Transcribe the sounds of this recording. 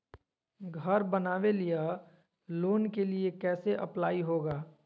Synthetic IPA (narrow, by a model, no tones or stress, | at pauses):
ɡʱəɾbənaːʋelija | loːnkeliekɛːseʔɐ̰plaːiɦoːɡaː